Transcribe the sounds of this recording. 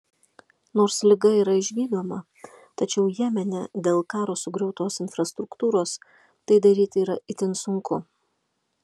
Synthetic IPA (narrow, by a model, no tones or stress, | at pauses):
noːɾslʲɪɡɐiːɾɐɪʒʲʋʲiːd̪oːmɐ | t̪ɐt͡ʃʲɛʊjæmʲɛnʲɛ̰d̪ʲeːlˠkɑːɾoːsʊɡɾʲɛʊt̪oːsɪnfɾɐst̪ɾʊkt̪uːɾoːs | t̪ɐɪd̪ɐɾʲiːt̪ʲiːɾɐʔɪt̪ʲɪnsʊŋkʊ